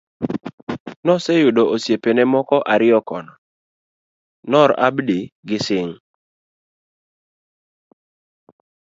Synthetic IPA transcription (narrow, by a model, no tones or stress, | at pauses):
nɔsejʊdoʔosjepenɛmɔkɔʔaɾɪɔkɔnɔ | nɔɾabdiɡɪsɪŋ